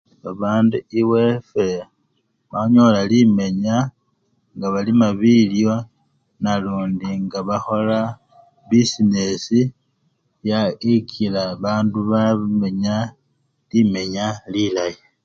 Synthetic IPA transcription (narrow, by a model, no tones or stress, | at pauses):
βaβaːnduiwe̞fe | βaɲo̞lalime̞ɲa | ŋɡaβalimaβiljo̞ | naluːndiŋɡaβaxo̞la | bisine̞si | jaikʰilaβaːnduβaβme̞ɲa | lime̞ɲalilaji